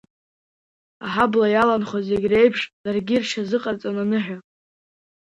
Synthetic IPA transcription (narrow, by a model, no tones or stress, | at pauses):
aħablajalanχozeɡʲre̞jpʰʂd̥arɡʲirʃazɨqʼart͡sʼananɨħʷᶣa